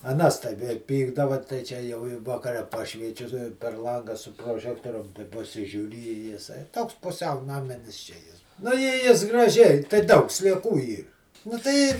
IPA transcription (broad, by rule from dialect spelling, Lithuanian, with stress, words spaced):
ɐˈnɐs tɐɪ ʋʲɛ ˈpʲiːɡdɐʋɐ tɐɪ ˈt͡ʃʲɛ jɛʊ ɪ ʋɐˈkɑːrʲɛ ˈpɑːʃʲʋʲiɛt͡ʃʲʊ pʲɛr ˈlˠɐŋɡɑː sʊ proːˈʒʲæːktoːrʲʊm pɐˈsʲɪʒʲuːrʲɪ ɪ jɪˈsɐɪ ˈtoːks pʊˈsʲɛʊ nɐˈmʲɪnʲɪs t͡ʃʲɛ ˈjɪs nʊ ɪ ˈjɪs ɡrɐˈʒʲɛɪ tɐɪ ˈdɐʊk sʲlʲiɛˈkuː ˈiːr nʊ ˈtɐɪ